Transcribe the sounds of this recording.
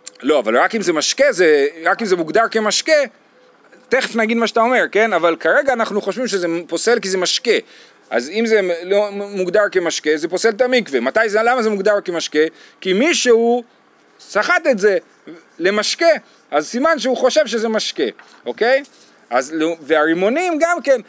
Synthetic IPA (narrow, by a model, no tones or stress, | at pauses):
lo̞ava̰lʁakimzemaʃke̞zeʁakimzemuɡd̪aʁkemaʃke | t̪eχefnaɡid̪maʃat̪ao̞me̞ʁke̞navalkaʁe̞ɡaːnaχnuχoʃvimʃezepo̞se̞lkizemaʃke̞ | ʔa̰zimze̞lomuɡd̪aʁkemaʃke̞ze̞po̞se̞lt̪amikvemat̪ajzelamazemuɡdaʁkemaʃke̞ | kimiʃeu | saχat̪etze̞ | le̞maʃke̞ | ʔazsimanʃeuχo̞ʃe̞vʃe̞ze̞maʃke̞ | ʔo̞ke̞j | azlveaʁimo̞nimɡamke̞n